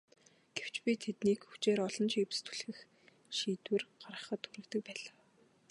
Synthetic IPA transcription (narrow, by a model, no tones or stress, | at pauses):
ɡ̥ew̥t͡ɕpʲit̪ʰet̪niːkxut͡ɕeːɾɔɮɞ̆nt͡ɕiːp̆st̪ʰu̥ɮxɘ̆x | ʃiːt̪wɘ̆rɢ̥aɾʁə̆χə̆t̪xuɾɘ̆kt̪ɘ̆k̚pæːɮaː